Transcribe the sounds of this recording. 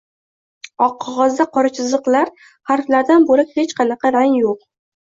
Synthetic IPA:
ɒqʰːɒʁɒzd̪aqʰɒɾat͡ʃʰɪzɨqlaɾ | haɾflaɾd̪anboɾɪphet͡ʃqʰɑnɑqʰɑɾaŋjoq̚

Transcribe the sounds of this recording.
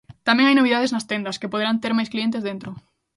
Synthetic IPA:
t̪amẽŋajnoβ̞iðaðeznɐst̪end̪ɐskepoð̞eɾant̪eɾmajsklient̪̬ezðent̪ɾo

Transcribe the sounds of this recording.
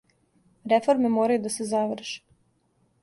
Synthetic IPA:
ɾefo̞ɾme̞moːɾajud̪asezaʋr̩ʃe̥

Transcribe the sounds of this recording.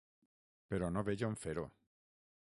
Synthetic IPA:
peɾonoβeʎoɱfeɾo

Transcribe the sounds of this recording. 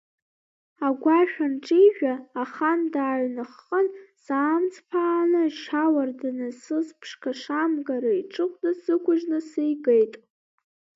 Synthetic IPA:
aɡʷaʃᶣanʈ͡ʂʼijʒᶣaːχandaːɥnɨχːənsaːmt͡sʰʼpʰaːnɨʃawardanɨsɨzpʰʂkʰaʂamɡaɾaiʈ͡ʂʼɨqʷʼdasɨkʷʰʊʒnɨsejɡejtʼ

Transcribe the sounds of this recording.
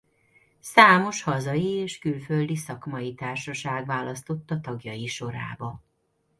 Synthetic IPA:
saːmo̞ʃhɒzɒjieːʃkylføld̪isɒkmɒjit̪aːrʃɒʃaːɡʋaːlɒst̪o̞t̪ːɒt̪ɒɡjɒjiʃo̞ɾa̰ːbɒ

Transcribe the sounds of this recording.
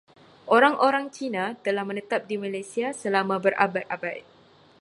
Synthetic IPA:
ʔoɾaŋʔoɾaŋt͡ʃinãt̪əlahmə̃nət̪ap̚dimalajsiasəlamãbərʔa̰bat̪̚ʔabat̪̚

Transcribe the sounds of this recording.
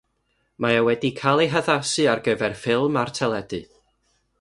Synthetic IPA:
maawɛdikʰalˠejɦəðasɨarɡəvɛrfɪlˠmartʰɛlˠɛdɨð

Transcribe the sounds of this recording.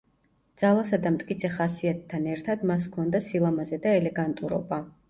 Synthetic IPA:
d̪z̥alˠasad̪amt̪ʼkʼit̪sʰɛχasiat̪ʰːanɛɾt̪ʰad̪mas̬kʰɔnd̪asilˠamazɛd̪aɛlɛɡant̪ʼuɾɔ̰ba

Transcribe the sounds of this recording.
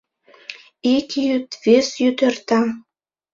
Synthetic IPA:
ikjyt̪vesjyt̪ə̆rt̪ɑ

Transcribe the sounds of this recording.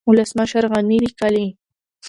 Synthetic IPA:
ʊlasmaʃaɾɢɑnɪɾikali

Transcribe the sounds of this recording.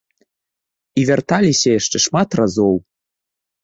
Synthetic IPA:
ivʲert̪ɑlʲisʲeʃt̪ɘ̆ʃmɑt̪rɑzow

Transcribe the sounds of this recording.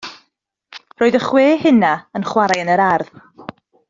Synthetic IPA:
r̥oːɨðəχweːhɨnaənχwaɾajənəɾarð

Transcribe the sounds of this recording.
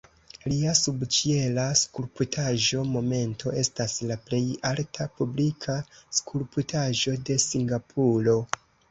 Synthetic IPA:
liasubt͡ʃie̞laskuɾputʰaʒo̞mo̞me̞ntʰo̞ʔe̞staslaple̞jaltʰapublikʰaskʰuɾputʰaʒo̞de̞siŋɡapʰulo̞

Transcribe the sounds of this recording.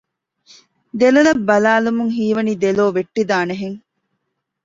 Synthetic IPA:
d̪elɐlɐbːɐlaːlumuŋɦiːʋɐnid̪eloːʋeʈːid̪aːneɦeŋ

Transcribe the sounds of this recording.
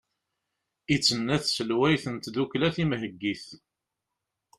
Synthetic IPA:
it͡sːənːæθsəlwæjθənt̪ðuklæθimɦəɡːiθ

